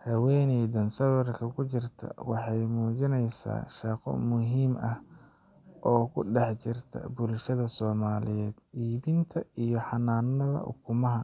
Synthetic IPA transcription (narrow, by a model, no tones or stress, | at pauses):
hɐwɛjnɛjd̪ɐnsɐwɛrkʰɐkʰʊt͡ʃɪrt̪ʰɐ̰wɑħɑjmuːt͡ʃɪnɛjsa̰ːʃɑqɔ̰mʊɦiːmɐh | ʔɔːkʰʊɖɛħt͡ʃɪrt̪ʰɐ̰bʊlʃɐðɐsɔːmaːlɪjɛːd̪̥ʔiːβɪnt̪ʰɐijɞħɑnaːnːɐðɐ̰ʔʊ̰kʰʊmɐɦɐ